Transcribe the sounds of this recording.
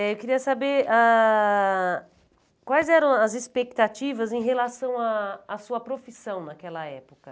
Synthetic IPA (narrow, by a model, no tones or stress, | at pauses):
ɛewkiɾiɐsabeɾa | kwajzɛɾɐ̃w̃ɐzespek̚t̪at͡ʃivɐzẽj̃ɦelasɐ̃w̃aːsuɐpɾofisɐ̃w̃nakɛlɐɛpokɐ